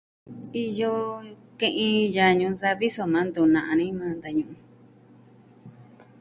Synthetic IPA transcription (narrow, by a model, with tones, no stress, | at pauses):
i˧jo˧kẽ˦˧ʔĩ˧ja˧ɲũ˧sa˧βi˦so˧mã˨˦nd̪u˨nã˨ʔã˧nĩ˦mã˨˦nd̪a˧ɲũ˧˨ʔũ˧